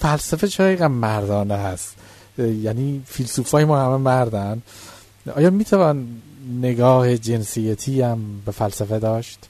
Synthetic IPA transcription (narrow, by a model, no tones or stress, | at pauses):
fælsæfet͡ʃʰeiɣænmæɾd̪ɒːneɦæst̪ | jæːniːfilsuːfɒːjemɒːhæmemæɾd̪æn | ɒ̰ːjɒːmiːt̪ʰævɒːnːe̞ɡɒːhe̞d͡ʒe̞nsijæt̪ʰiːæmbe̞fælsæfed̪ɒːʃt̪